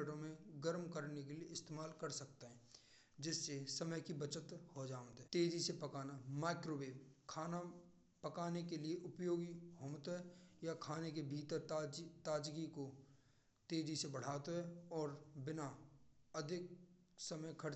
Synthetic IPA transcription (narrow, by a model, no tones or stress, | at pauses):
ʈõmẽɡəɾmkəɾnekelieɪst̪eːmaːlkɐɾsɐk̚t̪eɦɛ̃ː | d͡ʒɪsːesɐməjkibɐt͡ʃət̪hod͡ʒaːnt̪ɦɛt̪eːd͡ʒisepɐkaːnamaːɪkɾoːbeːmkʰaːna | pɐkaːnekelieʔʊpjoːɡiɦoːmt̪ɦɛjakʰaːnek̬ebʱiːt̪əɾd͡ʒt̪aːd͡ʒɡiko | t̪eːd͡ʒisebɐɽ̤aːt̪oɦɛɔːɾbɪnaɐd̪ʱɪk̚sɐməjkʰəɾ